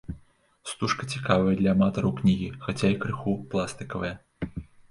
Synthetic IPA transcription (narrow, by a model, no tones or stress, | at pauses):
st̪uʂkɐt͡sʲikavɐjɐd̪lʲɐːmat̪ɐɾɐwknʲiɣʲixat͡sʲaikɾɨxuplˠast̪ɨkɐvɐjɐ